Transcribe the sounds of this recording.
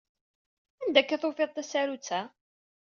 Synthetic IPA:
ænd̪ækːæθofeðˤt̪ːæsæɾut͡sːæ

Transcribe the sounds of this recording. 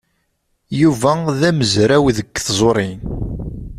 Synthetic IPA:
juvæðæməzɾæwðəkːθzˤoɾˤin

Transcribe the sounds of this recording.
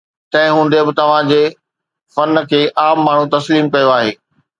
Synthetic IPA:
t̪ɐ̃ɦɪ̃ɦũːn̆d̪ebɪt̪ɐʋ̤ãd͡ʑeː | fɐnkʰeːʔaːmːaːɳ̤ut̪ɐsliːmkɐjoaːɦeː

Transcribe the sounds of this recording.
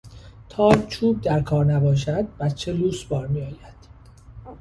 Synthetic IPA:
t̪ʰɒːt͡ʃʰuːb̚d̪æɾkʰɒːɾnæbɒːʃ̬æd̪̚bæt̪t͡ʃʰeluːsbɒːɾmijɒːjæd̪̥

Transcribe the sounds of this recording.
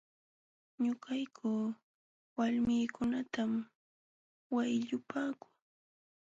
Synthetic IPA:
ɲʊkajkʰʊː | walmɪːkʊnat̪am | wajʎʊpaːkʊ̥ŋ

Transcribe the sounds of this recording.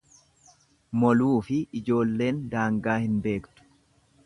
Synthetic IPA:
mɔluːfɪɪd͡ʒo̞ːlːe̞ːnd̪aːŋɡaːhɪnbe̞ːkt̪ʊ̥

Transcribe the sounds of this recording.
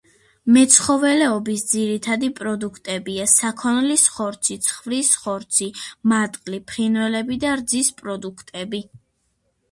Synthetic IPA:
mɛt̪sʰχɔvɛlɛɔbisd̪ziɾit̪ʰad̪ipʼɾɔd̪ukʰt̪ʼɛbiasakʰɔnlisχɔɾt̪sʰit̪sʰχvɾisχɔɾt̪sʰimat̪ʼqʼlipʰχinvɛlɛbid̪aɾd̪zispʼɾɔd̪ukʰt̪ʼɛbi

